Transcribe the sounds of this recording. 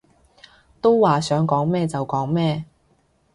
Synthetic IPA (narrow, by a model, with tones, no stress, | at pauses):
t̪o˥wwaː˨sœː˨˥ŋkɔː˨˥ŋmɛː˥t͡sɐ˨wkɔː˨˥ŋmɛː˥